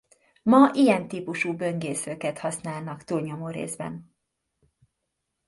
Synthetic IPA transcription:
mɒʔijɛnt̪iːpuʃuːbø̞ŋɡeːsøːkɛt̪hɒsnaːlnɒkt̪uːlɲomoːɾḛːzbɛ̰n

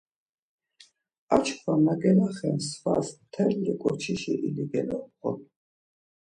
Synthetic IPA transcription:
at͡ʃʰkʰvwamaɡɛnaχɛnsvasmt̪ʰɛllikʼɔɾt͡ʃʰiʃiʔiliɡɛnɔχɔ

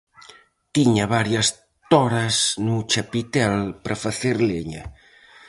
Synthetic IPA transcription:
t̪iɲɐβaɾjɐs | t̪ɔɾɐsnut͡ʃapit̪ɛlpɾʔɐfaθeɾleɲɐ̰

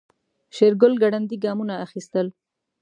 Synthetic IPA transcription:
ʃeɾɡʊlɡaɽand̪iɡɑmunaːxist̪əl

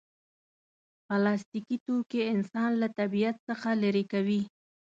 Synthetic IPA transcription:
palɑst̪ikit̪okeɪnsɑnlat̪abijat̪səxalaɾekawi

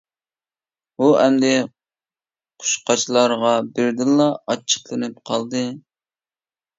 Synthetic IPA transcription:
uɛmd̪ɛ | qʰʊ̥ʃqɑt͡ʃʰlˠɑɾʁɑbɪɾd̪ɨlˠːɑɑt͡ʃʰːə̥χlˠɨnɨp̚qʰɑlˠd̪ɨ

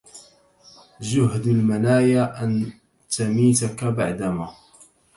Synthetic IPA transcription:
d͡ʒʊɦd̪almanaːjaʔan | t̪amiːt̪akaba̰ʕd̪amaː

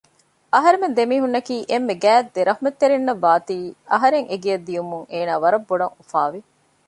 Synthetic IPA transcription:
ɐɦɐɾemend̪emiːɦunːɐkiːʔemːeɡæːd̪d̪eɾɐɦumɐt̪ːeɾinːɐʋːaːt̪iːɐɦɐɾeŋeɡijɐd̪ːijumuŋeːnaːʋɐɾɐbːoɖɐŋufaːʋi

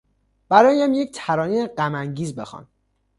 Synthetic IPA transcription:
b̥æɾɒːjæmjec̚t̪ʰæɾɒːnieɢæmæŋɟiːzbe̞̰xɒ̰n

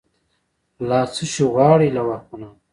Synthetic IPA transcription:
laːsuʃuɣɑːɽilawakuna

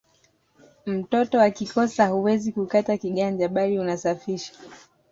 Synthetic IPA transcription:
m̩tɔtɔwakikɔsahuwɛzikukatakiɠand͡ʒaɓaliunasafiʃḁ

